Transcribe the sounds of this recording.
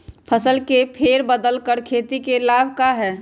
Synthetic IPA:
pʰəsəlkepʰeːɾbəd̪əlkəɾkʰeːt̪ikelaːbʱkaɦɛː

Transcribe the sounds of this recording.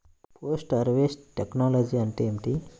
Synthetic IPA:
posʈɐɾʋesʈeknɔlɔd͡ʑiɐɳʈ̪eemʈ̪i

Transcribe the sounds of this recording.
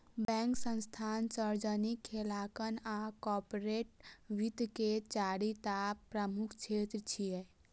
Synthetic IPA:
bɛ̃ːŋksə̃nst̪ʰaːnsəɾd͡ʒənikʰːelaːkənakɔːɾpɾeːʈ̚ʋit̪ket͡ʃaːɾit̪apɾəmukʰt͡ʃʰeːt̪ɾt͡ʃʰiɛ

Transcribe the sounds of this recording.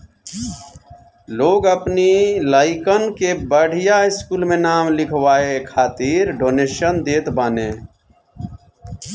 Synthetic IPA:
loːɡəpniːlaːɪkənkeːbəɽ̤ʱɪjaːɪskuːlmẽːnaːmlɪkʰʋaːeːkʰaːt̪iːɾɖoːneːʃənd̪eːt̪baːnẽː

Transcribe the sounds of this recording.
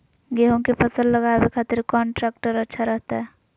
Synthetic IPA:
ɡeɦõkepʰəsəlːəɡaːwekʰaːt̪ɪɾkɔːɳʈɾɛːkʈəɾətːʃʰaɾəɦt̪aɦɛː

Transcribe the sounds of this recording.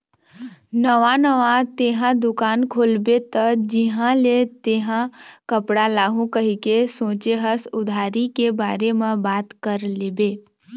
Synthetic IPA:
nəʋanəʋat̪eːɦãd̪ʊkaːnkʰoːlbet̪əd͡ʒɪɦãlet̪eːɦãkəpɽalaːɦũkəɦikesõːt͡ʃeɦəsʊd̪ʱaːɾikebaːɾemẽbaːt̪kəɾleːbeː

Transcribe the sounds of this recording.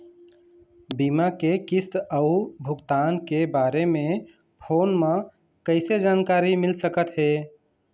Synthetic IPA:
bimakekist̪əubʱʊɡt̪aːnkebaɾemẽ | pʰoːnmã | kəɪsed͡ʒankaɾimɪlsəkət̪ɦe

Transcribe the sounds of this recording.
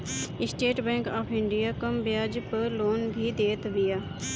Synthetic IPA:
ɪsʈeːʈbɛ̃ːŋkaːpʰɪ̃ɳɖijaːkəmbjaːd͡ʒpəɾloːnɡʱiːd̪eːt̪bijaː

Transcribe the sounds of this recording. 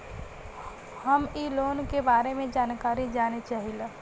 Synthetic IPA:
həmiːloːnkebaːɾemẽd͡ʒaːnkaːɾid͡ʒaːnit͡ʃaːɦila

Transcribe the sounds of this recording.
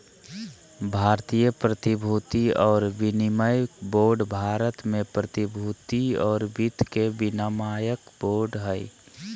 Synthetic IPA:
bʱaːɾt̪ijəpɾət̪ibʱuːt̪iɔːɾʋɪnɪməjboːɾɖbʱaːɾət̪mẽpɾət̪ɪbʱut̪iɔːɾbit̪kebɪnamaːjəkboːɾɖɦɛj

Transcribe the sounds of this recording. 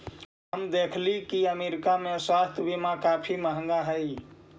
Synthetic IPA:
ɦəmd̪ekʰlikiəmeɾikameswast̪ʰjbimakapʰiməɦəŋɡaɦəj

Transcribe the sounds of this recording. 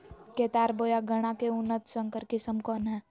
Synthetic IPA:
keːt̪aːɾboːjaɡʱəɽ̃akeʊnːət̪sə̃ŋkəɾkɪsəmkɔːnɦɛ̃ː

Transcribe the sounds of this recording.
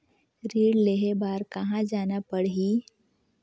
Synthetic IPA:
ɾiːɽleɦebaːɾkɐɦãd͡ʒaːnapəɽɦiː

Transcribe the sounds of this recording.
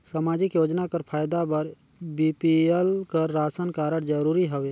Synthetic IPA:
səmaːd͡ʒɪkjoːd͡ʒnakəɾpʰaːjd̪abəɾ | biːpiəlkəɾːaːsənkaːɾəɽ̃d͡ʒəɾuːɾiɦəʋeː

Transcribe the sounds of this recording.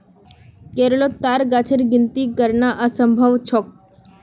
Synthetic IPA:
keɾlot̪aɾɡat͡ɕʰəɾɡint̪ikəɾɳaʔəsəmbʱəʋt͡ɕʰɔk̚

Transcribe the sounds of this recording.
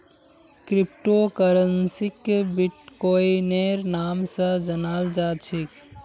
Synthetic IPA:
kɾip̚ʈokəɾənsikbiʈkoineɾnaːmsəd͡ʒənaːld͡ʒaːt͡ʃʰik

